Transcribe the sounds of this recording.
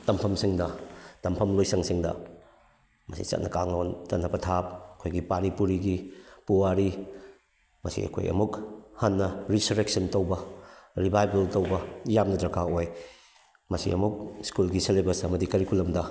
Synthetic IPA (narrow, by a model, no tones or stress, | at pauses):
tɐmpʰɐmsiŋdɐtɐmpʰɐmlojsɐŋsiŋdɐ̰ | mɐsḭt͡ʃɐ̰t̚nɐkaŋnontɐtnːɐbɐtʰap̚ɐkʰojɡipaɾipuɾiɡipuwaɾi | mɐsḭɐ̰kʰo̰jʔɐ̰muk̚hɐnːɐɾisuɾek̚sɐntowbɐɾibajbɐltɐwbɐjamnɐdɾɐkʰaoj | mɐsḭɐ̰muk̚skulɡiselebɐɾsɐmɐdikɐɾikulɐmdɐ